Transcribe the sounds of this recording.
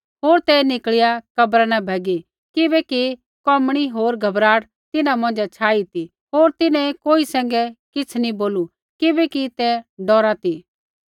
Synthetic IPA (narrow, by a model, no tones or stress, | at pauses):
ɦoːɾt̪ɛnɪkɭjakɐbɾanabʱɛːɡi | kɪbɛki | kɔmɽ̃iɦoːɾɡʱɐbɾaːɽ | t̪ɪnãmɐ̃nd͡ʒɛt͡ʃʰaːit̪i | ɦoːɾt̪ɪnɛ̃koːisɛ̃ːŋɡɛkɪt͡sʰniboːlu | kɪbɛkit̪ɛɖɔːɾat̪i